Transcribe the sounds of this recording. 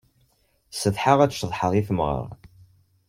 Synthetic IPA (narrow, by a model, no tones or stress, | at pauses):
səθħaʁæ̥ʃðˤħəðˤifəmʁə̰ʁ